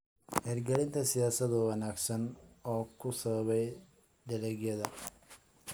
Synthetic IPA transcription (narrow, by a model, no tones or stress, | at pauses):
hɛːrɡɐlɪnt̪ʰɐsɪjaːsɐðʊwɐnaːɡsɐnɔːkʰʊsɐβɐβɛj | d̪ɐlɛɡjɐðɐ